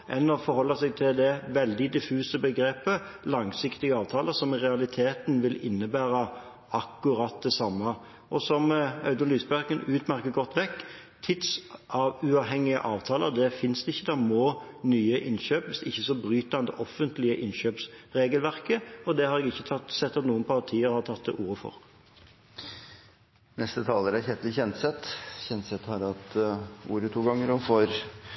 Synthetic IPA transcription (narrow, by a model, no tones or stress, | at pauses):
ʔɛ̰nːəfɔɾhɔlːəsɛɡ̚t̪ʰɪld̪ɛʋɛld̪ɪd̪ɪfʉːsəbəɡɾeːpə | lɑŋsɪkt̪ɪɡəɑːʋt̪ʰɑːləsɔmʁɛɑlɪt̪ʰeːt̪n̩ʋɪlɪnːəbæːɾɑ | ɑkːʊɾɑt̪̚d̪ɛsɑmːɑ | ʔɔsɔmɑʉd̪ɑnlyːsbæʁkənʉːt̪mæɾkəɡɔt̪ːʋɛkː | t̪ʰɪt̪sʔɑʋʉɑːʋɦɛŋːɪə̰ʔɑːʋt̪ʰɑːləʁd̪ɛfɪnsd̪ɛɪçːəd̪æmoː | nyːəʔɪnɕøːpɪsd̪ɛɪçːəsɔbʁyːt̪ɑnd̪ə̰ʔɔfːənt̪lɪəʔɪnɕøːpsʁeːɡəlʋæʁkəɔd̪ɛhɑɾɛɡɪçːət̪ʰɑt̪ːsɛt̪ːɑt̪nuːənpʰɑʁt̪ʰiːəɾhɑʁt̪ʰɑt̪̚ːɛ̰ʔuːɾəfɔ̰ɾ | nɛst̪ət̪ʰɑːləɾæɾçɛt̪lɪçɛnt̪sɛt̪ːçɛnt̪sɛt̪hɑɾɑt̪ṵːɾət̪ʰuːɡɑŋːəɾɔfɔɾ